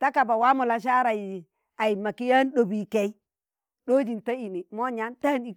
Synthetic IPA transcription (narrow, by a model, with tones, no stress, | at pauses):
ta˦ka˨ba˨wa˦mu˨la˨ʃ̬a˦ɾa˨ji˨ | a˨ji˨ma˨ki˦ja˦n˦ɗo˨bi˨kɛ˦i˦ | ɗo˦d͡ʒi˨nta˦i˨ni˨mo˦ɲa˦nta˦ni˨k